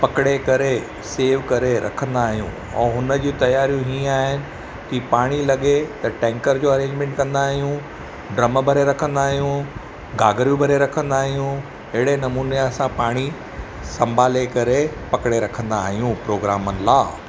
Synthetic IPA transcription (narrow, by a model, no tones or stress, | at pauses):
pɐkɪɽekɐɾe | seːʋkɐɾeɾɐ̰kʰə̃nd̪aːɦijṵ̃ | ɛ̰̃ːɦʊnə̆d͡ʑiːt̪ɐjaːɾijũɦĩːaːɦɪnɪ̆ | kipaːɽ̃ilɐɠet̪ɐʈɛ̃ːŋkəɾd͡ʑoːɐɾẽːɲd͡ʑmẽɳʈkɐ̃nd̪aːɦijũ | ɖɾɐməbʱɐɾeɾɐkʰə̃nd̪aːɦjũ | ɡaːɡəɾjũbʱɐɾeɾɐkʰə̃nd̪aːɦijũ | ɪɦɪɽenɐmuːnesãpaːɽ̃i | sɐ̃mbʱaːlekɐɾepɐkɽeɾɐkʰə̃nd̪aːɦijũpɾoːɡɾaːmənɪ̆laː